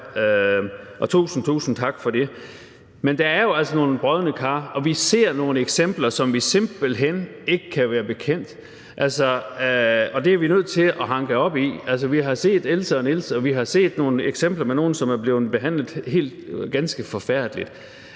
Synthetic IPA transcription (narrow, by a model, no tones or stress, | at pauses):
øʔɒ̽t͡sʰṵːsn̩t͡sʰṵːsn̩t͡sʰɑ̈ɡ̥fɒ̽d̥e̝ | mend̥æ̈æɐjo̝æl̰sɒno̝ːn̩b̥ʁœðˠənəkʰɑ̈ːɒ̽ʋise̝ɐ̰no̝ːnəeɡ̥sem̰b̥lɐsɒ̽mʋise̝mb̥l̩ɦen̰ | e̝ɡ̥əkʰæʋæːɐb̥e̝kʰen̰d̥ | ʔælsɒ | ɒ̽d̥e̝æɐʋinøð̞̰ˠt͡sʰe̝lʔɒ̽ɦɑ̈ŋɡ̥əɒ̽b̥iæls̬əʋiɦɑ̈se̝̰ːd̥elsəɒnelsɒ̽ʋiɦɑ̈se̝̰ːd̥no̝ːnəeɡ̥sem̰b̥lɐmeno̝ːn̩sɒ̽mæɐb̥le̝ːð̩ˠb̥e̝ɦæn̰lð̩ˠhe̝̰ːld̥ɡ̥ænsɡ̥əfɒ̽fæɐ̰d̥əlid̥